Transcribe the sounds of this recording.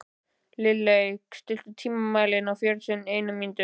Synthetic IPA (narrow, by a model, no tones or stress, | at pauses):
lɪlːejkst̪ɪl̥t̪ʏt̪ʰiːmamaːjlɪnawfjœɾsʰʏnneːjnʏmːint̪ʏ